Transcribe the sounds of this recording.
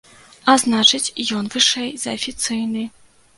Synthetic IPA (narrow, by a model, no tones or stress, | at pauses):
aznat͡ʂɨt͡sʲjɔnvɨʂɛjzɐɐfʲit̪sɨjnɨ